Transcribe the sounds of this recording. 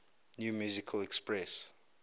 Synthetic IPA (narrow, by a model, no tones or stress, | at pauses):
njuːmjuːzikʰəlɛkspɹɛs